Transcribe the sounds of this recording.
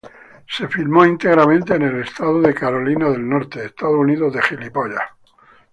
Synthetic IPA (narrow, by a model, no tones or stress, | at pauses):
se̞filmoint̪e̞ɣ̞ɾamẽnt̪eːne̞le̞st̪aðoðe̞kaɾo̞linaðe̞lno̞ɾt̪eːst̪aðouniðoðe̞xilipoʎa̰